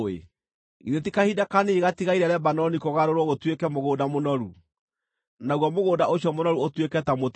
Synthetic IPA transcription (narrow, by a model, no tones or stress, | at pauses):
ḛ | iɾet̬ikahidakaneɣatiɣaiɾɛɾɛbanɔnikoɣaɾoɾwɔɣotwekɛmoɣoːdamonɔɾu | naɣwɔmoɣoːdaoɕiɔmonɔɾuotwekɛtamot